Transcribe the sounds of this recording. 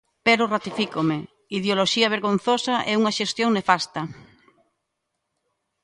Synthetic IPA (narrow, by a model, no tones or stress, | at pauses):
pɛɾʊrat̪ifikome | iðjoloʃiɐβ̞eɾɣon̟θosɐʔɛuŋɐʃest̪joŋnefast̪ɐ